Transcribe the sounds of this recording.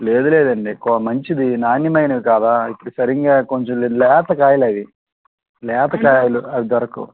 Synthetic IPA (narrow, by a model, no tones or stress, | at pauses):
le̞ːd̪ule̞ːd̪ɐɳɖikɔɐmɐɲt͡ʃid̪inaːnjɐmɐjnɐʋikaːd̪aːipːɐɽusɐɾiŋɡaːkoɲt͡ʃomlelɛːt̪ɐkaːjlɐʋi | lɛːt̪ɐkaːjɐluɐʋit̪ʋɐɾɐkṵ